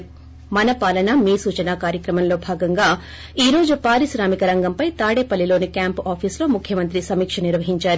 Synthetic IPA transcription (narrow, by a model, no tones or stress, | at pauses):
mɐnɐpaːlɐnɐmiːsuːt͡ʃɐnaːkaːɾjɐkɾɐmɐmlo̞ːbʱaːɡɐŋɡaː | iːɾo̞ːd͡ʒupaːɾiʃɾaːmikɐɾɐŋɡɐmpɐjt̪aːɽeːpɐlːilo̞ːnikjaːmpaːpʰiːslo̞ːmukʰːjɐmɐnt̪ɾisɐmiːkʂɐniɾʋɐɦiɲt͡ʃaːɾu